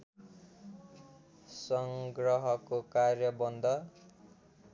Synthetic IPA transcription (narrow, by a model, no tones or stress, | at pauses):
sʌŋɡrʌɦʌkokarjʌbʌnd̪ʱʌ